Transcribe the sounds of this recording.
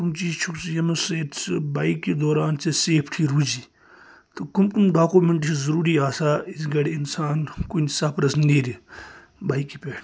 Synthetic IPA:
kumt͡ʃiːzt͡ʃʰuksjɐmɐseːt̪t͡sbaːikːed̪oːɾaːnt͡sɐseːpʰʈʰiːɾuːd͡ʒiː | t̪ɐkumkumɖaːkumeɳʈsizɐɾuːɾiːaːsaːɪsɡɐɽeɪnsaːnkunsɐpɾɐsniːɾi | baːikːipeːʈ

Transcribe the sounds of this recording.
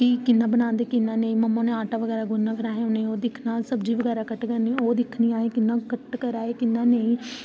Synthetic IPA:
kikɪnːaːbənãːnd̪eːkɪnːãːneːĩːməmːãːnẽːaːʈaːʋəɡɛːɾaːɡʊnːãːkəɾaːonẽoːd̪ɪkʰnaːsəbd͡ʒiːʋəɡɛːɾaːkəʈkənĩːoːd̪ɪkʰniːaːeːkɪnːãːkəʈkəɾaːeːkɪnːãːneĩː

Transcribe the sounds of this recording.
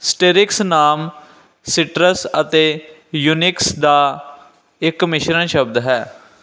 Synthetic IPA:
sʈeːɾɪksnaːm | sɪʈɾəsət̪eː | juːnɪksd̪aː | ɪkːmɪʃɾənʃəbd̪ɦɛː

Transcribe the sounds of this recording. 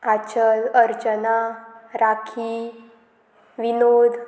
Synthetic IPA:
at͡ɕələɾd͡ʑənaɾakʰi | ʋinod̪ʱ

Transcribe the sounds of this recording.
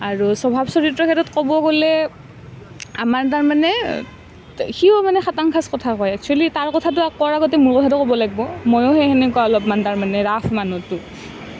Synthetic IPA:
aɹusɔbʱabsɔɹitɹɔkʰɛtɔtkɔbɔɡolɛ | amaɹtaɹmanɛ | xiɔmanɛxataŋkʰaskɔtʰakɔjak̚t͡ʃʰualitaɹkɔtʰat̬ʊakɔɹaɡɔt̬ɛmuɹkɔtʰatʊkɔbɔlaɡibɔmɔjɔɦɛxɛnɛkuaɔlɔpmantaɹmanɛɹapʰmanutʊ

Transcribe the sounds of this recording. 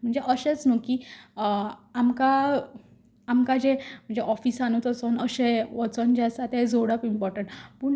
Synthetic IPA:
m̤əɳd͡zeʔəɕet͡snokiː | amka | amkad͡ʑem̤əɳd͡zeʔɔfiːsanut̪əsonəɕeʋɔt͡sənd͡ʑɛsat̪ed͡zʱoɽapimpɔɾʈəɳʈpuːɳ

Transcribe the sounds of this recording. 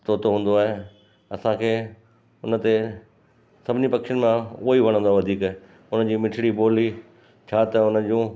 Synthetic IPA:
t̪oːt̪oɦũːn̆d̪oaːɦe | ɐsãkʰeː | ʊnə̆t̪e | sɐbʱɪnipɐkʃɪn̆mãuiʋɐɽ̃ə̃nd̪oaʋɐd̪ʱiːkɦ | ʊnə̆d͡ʑiːmɪʈʰɪɽiboːli | t͡ɕʰaːt̪ɐʊnəd͡ʑũː

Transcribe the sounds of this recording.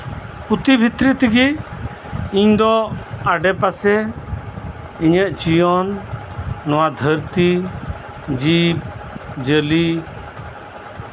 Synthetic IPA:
put̪ibʱit̪ɾit̪iɡi | iɲd̪ɔaɖɛpasɛ | iɲəʔt͡ʃijɔnː | ɔwad̪ʱəɾt̪i | d͡ʒib̚d͡ʒəli

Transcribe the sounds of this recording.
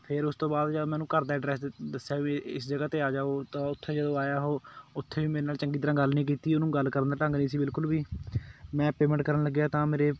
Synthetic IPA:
pʰɪɾʊst̪õːbaːd̪d͡ʒəːmɛ̃ːnũːkəɾd̪aːɖɾɛːsd̪əsjaːʋĩɪsd͡ʒəɡaːt̪eːaːd͡ʒaːoːt̪ãːʊt̪ʰːeːd͡ʒəd̪õːaːjaːɦoːʊt̪ʰːeːʋiːmeːɾeːnaːlt͡ʃəŋɡiːt̪əɾãːɡəlnĩːk̬iːt̪iːʊnũːɡəlkəɾənd̪aːʈə̃ːŋɡnĩːsiːbɪlkʊlbiːmɛ̃ːpeːmɛ̃ɳʈkəɾənləɡjaːt̪ãːmeːɾeː

